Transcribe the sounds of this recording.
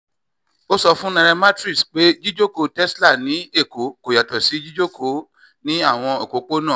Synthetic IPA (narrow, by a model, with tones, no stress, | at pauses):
o˦sɔ˧fũ˦nã˧ɾɛ˧ma˦tɾi˦˨sk͡pe˦d͡ʒi˦d͡ʒo˦ko˧tɛ˦sla˦˨nĩ˨˦e˦˨ko˨˦ko˨ja˨tɔ˨si˨˦d͡ʒi˦d͡ʒo˦kʰo˨˦ | nĩ˦a˦˨w̃ɔ̃˧e˨ko˨˦k͡po˦nã˦˨